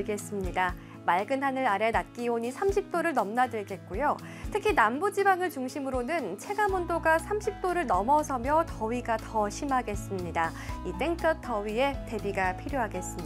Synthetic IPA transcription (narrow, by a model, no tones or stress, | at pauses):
ɭɡe̞s͈ɯmɲida | maɭɡɯnɦanɯnaɾe̞nat̚k͈ioɲisʰamɕʰip̚t͈oɾɯɭnʌmnadɯɭɡe̞t̚k͈ojo | tʰɯkʰinambud͡ʑibaŋɯɭt͡ɕuŋɕʰimɯɾonɯnt͡ɕʰe̞ɡamondoɡasʰamɕʰip̚t͈oɾɯɭnʌmʌsʰʌmjʌtʌɥiɡatʌɕʰimaɡe̞s͈ɯmɲida | it͈e̞ŋt͈ʌtʰʌwɥie̞te̞biɡapʰiɾjoɦaɡe̞s͈ɯm